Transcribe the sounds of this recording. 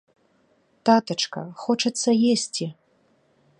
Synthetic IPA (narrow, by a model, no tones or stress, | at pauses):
t̪at̪ɐt͡ʂkɐ̰xɔt͡ʂɐt̪sːɐjesʲt͡sʲi